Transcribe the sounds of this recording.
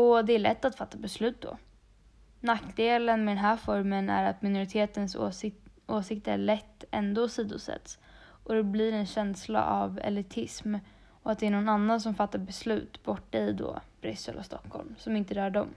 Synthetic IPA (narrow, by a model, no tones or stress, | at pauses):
ɔd̪ɛæɭɛ̰t̪ːat̪fat̪ːabɛslʉ̟ːt̪̚d̪ɔ̰ | nakd̪eːlənmɛd̪ɛnɦæːfɔɾmənæ̰ɾat̪mɪnʊɾɪt̪ʰeːt̪əns | oːsɪk̚t̪əæɭɛt̪ːɛnd̪osiːd̪ʊsɛ̰t̪s | ʔɔd̪ɛblɪɾɛnɕɛnsla̰ʔavɛ̰lɪt̪ʰɪsm | ɔat̪̚d̪ɛæɳɔnanːans̬ɔmfat̪ːaɾbɛslʉ̟ːt̪bɔʈːaɪd̪o̰ːb̥ɾʏ̰sːɛ̰lɔ̰st̪ɔkʰːɔ̰lmsɔmɪnt̪əd̪œːɖɔm